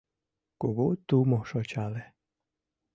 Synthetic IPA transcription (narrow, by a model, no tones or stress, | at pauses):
koɡot̪umɔʃɔt͡ʃalɛ